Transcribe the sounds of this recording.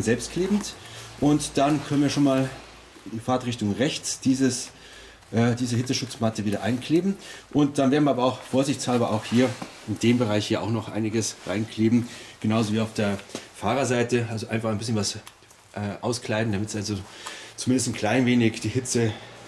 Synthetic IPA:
nzɛlpstkʰl̥eːbm̩tʔʊntd̥ankʰœnənviːɐʃoːnmaːl | diːfaɐtʁɪçtʊŋʁɛçt͡sd̥iːzəs | ʔɛːdiːzəhɪt͡səʃʊt͡smatəviːɾɐʔaɪnkʰl̥eːbm̩ʔʊntd̥anveːɐn̩iɐabɐaʊxfoːɐzɪçt͡shalbɐʔa̰ʊxhiːɐ | ɪnd̥eːmbəʁaɪçhiːɐaʊxnɔχʔa̰ɪnɪɡəsʁa̰ɪnkʰl̥eːbm̩ɡ̥ənaʊzoviːaʊfd̥eːɐfaːʁɐzaɪtəalzoʔa̰ɪnfaχaɪnbɪsçənvas | ʔɛːʔaʊskl̥aɪdn̩damɪtz̥alzot͡sʊmɪndəstn̩kʰl̥aɪnveːnɪçd̥iːhɪt͡sə

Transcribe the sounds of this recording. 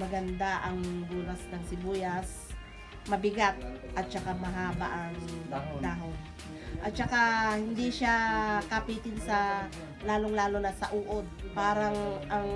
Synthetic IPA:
mɐɡɐnd̪aʔɐŋɡuːlɐsnɐŋsɪbuːjɐs | mɐbɪɡat̪̚ʔɐt̪̚t͡ʃɐkamɐɦaːbaʔɐŋd̪aːɦo | ʔɐt̪̚t͡ʃɐkahɪnd̪iʃakapiːt̪ɪnsɐ | laːloŋlaːlonɐsɐʔuːʔod̪̚paːɾɐŋʔɐŋ

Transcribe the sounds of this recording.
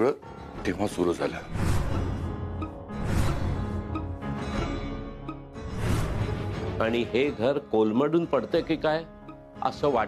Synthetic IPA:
ɭə | t̪eʋ̤asuɾud͡zʱa̰la | aɽ̃iɦeɡʱəɾkolməɽuːnpəɽt̪ekikaj | ə̰səʋa

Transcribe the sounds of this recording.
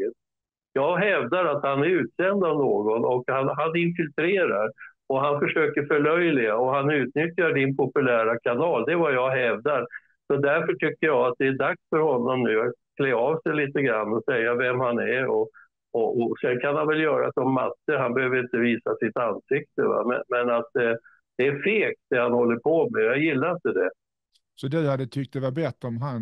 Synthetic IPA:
jɑːɡɦɛvd̪aɾat̪hanæɾʉ̟ːt̪sɛnd̪avnoːɡɔnɔkhanɦanɪnfɪlt̪ʰɾeːɾaɾ | ɔɦanfœʂøːkəɾfœɭœjlɪɡaɔɦanʉ̟ːt̪nʏt̪jaɖɪnpʰɔpɵlæːɾakʰanɑːld̪ɛvajɑɡɦɛvd̪aɾ | sɔd̪æɾfœʈʰʏkːəjɑːat̪̚d̪ɛæɖaksfœɾhɔnːɔmnʉ̟ːat̪kʰleːɑːvsɛjliːt̪əɡɾanːɔsɛjːavɛmhanæɾɔ | ɔʔɔsɛnkʰanhanvɛljœːɾa̰sɔmːat̪ːəɦanbɛhøːvəɾɪnt̪əviːsasɪt̪anːsɪk̚t̪əva̰mɛ̰mɛnat̪̚ɛ | d̪̥ɛæɾfeːk̚d̪ɛhanhɔlːəɾpʰɔmɛjjajɪlːaɾɪnt̪əd̪ɛ | sɔd̪ɛjahad̪ːət̪ʰʏk̚t̪d̪ɛvaɾbɾɛt̪ːɾɔmɦan

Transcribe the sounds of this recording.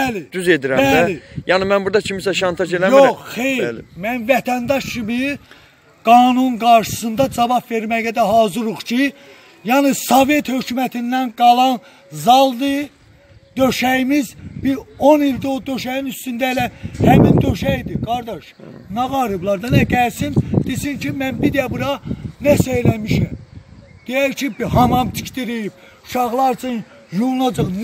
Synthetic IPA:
bælid̪̥yzed̪iɾæææijɑnimænbuɾd̪ɑcʰimisæʃɑnt̪ʰɑʒelæmjoχχejɾmænvæt̪ʰænd̪ɑʃt͡ʃʰimi | ɡ̥ɑːnunɡɑɾʃɯ̥sɯnd̪ɑd͡ʒɑvɑpve̞ɾmæjæd̪æɦɑːzɯɾuχcʰi | jɑnisovet̪hø̞cʰumæt̪ʰind̪ænɡɑlˠɑn | zɑlˠd̪ɯ | d̪̥øʃæjimizbiɾonild̪od̪øʃæjinyst̪ynd̪æelæhæmind̪øʃæjd̪iɡɑɾd̪ɑʃ | nɑɣɑɾɯblˠɑɾd̪ɑnæɟælsind̪̥isincʰimænbid̪æbuɾɑnæsejlæmiʃæm | d̪̥ijæɾcʰibhɑmɑmt̪ʰi̥cʰt̪iɾib̥ | u̥ʃɑɣlˠɑɾt͡ʃʰɯn | junɑd͡ʒɑχ

